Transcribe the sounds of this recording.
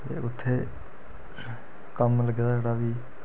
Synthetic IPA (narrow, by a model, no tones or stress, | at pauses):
t̪ḛːʔʊt̪ʰːeː | kəmləɡd̪aːd͡ʒeːɽaːʋiː